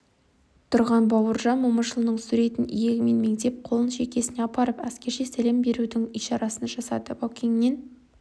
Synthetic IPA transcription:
t̪ʰʊɾʁɑnbɑwəɾʒɑnmoməʃəlˠənəɴsʉɾe̞t̪ɪnijeɡʲɪme̞nme̞ŋt̪e̞p̚qʰo̞lˠənʃe̞kʲe̞sɪne̞ɑpɑɾəpæskʲe̞ɾʃe̞sæle̞mbe̞ɾud̪ɪŋijʃɑɾɑsənʒɑsɑd̪əbokʲʰeŋnen

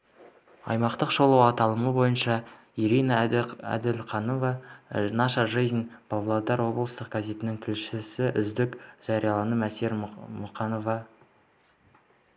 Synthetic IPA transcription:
ɑ̰jmɑqt̪əqʒo̞lˠɑwɑt̪ɑlˠəməbo̞jənʃɑ | iɾinɑæ̰d̪ɪlqʰɑnovɑnɑʃɑʒejznb̥ɑlˠɑlˠɑd̪ɑɾwo̞blˠəst̪əq̚ɡ̥aze̞t̪ɪnɪŋt̪ʰɪlʃɪsɪʔʏzd̪ɪkʒ̥ɑɾijɑlˠɑnəmæseɾmʊqɑno̞vɑ

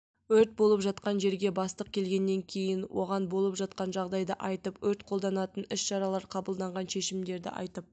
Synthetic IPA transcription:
wɵɾt̪̚bo̞lˠəpʒɑt̪qɑnʒe̞ɾɡʲe̞bɑst̪əq̚kʲʰe̞lɡʲe̞nːe̞ŋkʲʰe̞jɪnwʔo̞̰ʁɑnbo̞lˠəpʒɑt̪̚qɑnʒɑʁd̪ɑjd̪əʔɑjt̪əpwɵɾt̪qʰo̞lˠd̪ɑnɑt̪ənɪsʃɑɾɑlˠɑɾqʰɑbəlˠd̪ɑɴʁɑnʃe̞ʃɪmd̪e̞ɾd̪ɪ̰ʔɑ̰jt̪əp̚

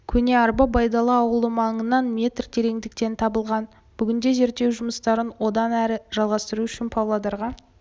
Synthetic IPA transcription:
kʲʰɵne̞ɑɾbɑbɑjd̪ɑlˠəɑwəlˠəmɑɴənɑnmʲe̞t̪rt̪ʰe̞ɾe̞ŋd̪ɪk̚t̪e̞nt̪ʰɑbəlˠʁɑn | b̥ʏɡʲɪnd̪e̞ze̞ɾt̪e̞wʒʊməst̪ɑɾənwo̞d̪ɑnæɾɪʒ̥ɑlˠʁɑst̪əɾuʏʃɪnpʰowlˠɑd̪ɑɾʁɑ

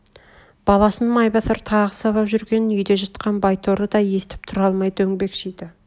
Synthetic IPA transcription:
b̥ɑlˠɑsənmɑjbɑt̪əɾt̪ʰɑʁəsɑβɑpʒʏɾɡʲe̞nʏjd̪e̞ʒɑt̪qɑnbɑjt̪ʰoɾəd̪ɑje̞st̪ɪ̥p̚t̪ʰʊɾɑlˠmɑjd̪əɵŋbe̞kʃijd̪ɪ

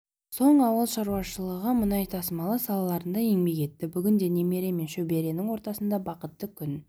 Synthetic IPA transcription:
so̞ɴɑwəlˠʃɑɾuwɑʃəlˠəʁəmənɑjt̪ʰɑsəmɑlˠəsɑlˠɑlˠɑɾənd̪ɑeŋme̞kʲe̞t̪ːɪbʏɡʲɪnd̪e̞ne̞me̞ɾe̞me̞nʃɵbe̞ɾe̞nɪŋwo̞ɾt̪ɑsənd̪ɑbɑqət̪ːəkʲʰʏn

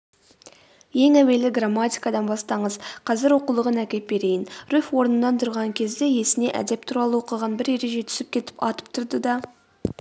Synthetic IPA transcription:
je̞ŋæwe̞lɪɡramːat̪ʲijkɑd̪ɑnbɑst̪ɑɴəzqʰɑzɪɾwo̞qulˠəʁənækʲe̞t̪̚be̞ɾe̞jɪnɾufwo̞ɾnənːɑnt̪ʰʊɾʁɑŋkʲʰe̞zd̪e̞je̞sɪne̞ʔæ̰d̪e̞p̚t̪ʰuɾɑlˠəwo̞qəʁɑnbɪɾe̞ɾe̞ʒe̞t̪ʰʏ̥sɪp̚kʲʰe̞t̪ɪ̥pɑ̰t̪ə̥p̚t̪ʰʊɾd̪əd̪ɑ

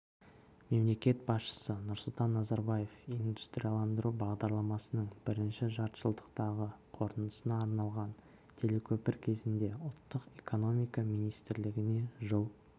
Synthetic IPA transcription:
me̞mle̞kʲe̞t̪̚bɑsʃə̥sənʊɾsʊlˠt̪ɑnːɑzɑɾbaje̞find̪u̥st̪ɾʲijalˠɑnd̪əɾubɑʁd̪ɑɾlˠɑmɑsənəɴbɪɾɪnʃɪʒɑɾt̪ʒəlˠd̪əqt̪ɑʁəqʰo̞ɾt̪ənəsənɑːɾnɑlˠʁɑn | t̪ʲʰe̞le̞kʲʰɵpɪɾkʲʰe̞zɪnd̪e̞ʊlˠt̪ːəqekʰo̞no̞mijkɑmijnijst̪ɪɾlɪɡʲɪne̞ʒəlˠ

